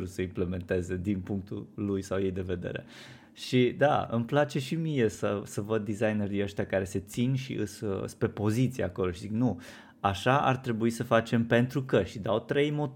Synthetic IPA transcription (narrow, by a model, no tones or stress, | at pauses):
ɾusəimple̞me̞nt̪e̞ze̞d̪inpuŋk̚t̪ṵlujsawje̞jd̪e̞ve̞d̪e̞̰ɾe̞̰ | ʃid̪a̰ɨ̰mplat͡ʃe̞ʃimije̞səsəvəd̪̚ːizajneɾijəʃt̪ʲakaɾe̞se̞t̪sinʃḭʔɨsspɾepo̞zit̪sia̰ko̞lo̞ʃiziknu | aʃaʔa̰rt̪ɾe̞buisəfat͡ʃe̞mpe̞nt̪ɾukəʃid̪awt̪ɾe̞jmo̞